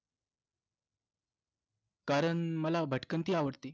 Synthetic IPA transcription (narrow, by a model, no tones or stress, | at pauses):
kaɾəɳməlabʱəʈkənt̪iːaʋəɽt̪iː